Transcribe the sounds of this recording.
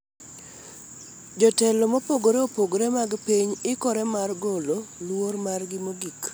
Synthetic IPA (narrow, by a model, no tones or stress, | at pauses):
d͡ʒɔtɛlɔmopoɡoɾeopoɡɾemaɡpiɲɪkɔɾɛmarɡololwormarɡɪmoɡik